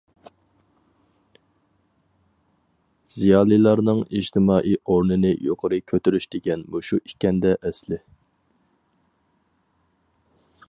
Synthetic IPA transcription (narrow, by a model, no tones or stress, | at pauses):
z̥ijɑːlˠilˠɑɾnɨŋid͡ʒt̪ʰɪmɑːʔijoɾnɨnɪjoqʰəɾɨkʲʰøt̪yɾyʃd̪ɪɡʲɛnmoʃuʔikʲɛnd̪ɛʔɛslɪ